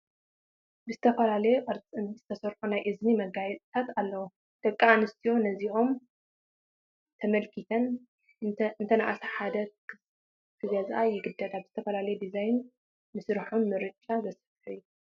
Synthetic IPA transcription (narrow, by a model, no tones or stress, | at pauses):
bɨzɨt̪ʰɐfɐlalɐjuʔɐɾt͡sʼɨnz̥ɨt̪ʰɐsɐɾħunajʔɨznimɐɡajɛt̪ʼt̪ʰat̪alːɐwu | d̪̥ɐkʼːaanɨst̪ʰio̞nɐziʔo̞m | t̪ʰɐmɐlkʰit̪ʰɐn | ɨnt̪ʰɐna̰ʔasɐħad̪ɐ | kʰɨɡɐzʔajɪɡɨd̪ːɐt̪ʼabɨz̥ɨt̪ʰɐfɐlalɐjud̪izajnː | ɨsɨɾħonmɨɾɨt͡ʃʼːazɐsɐ̥t̪ɨjːu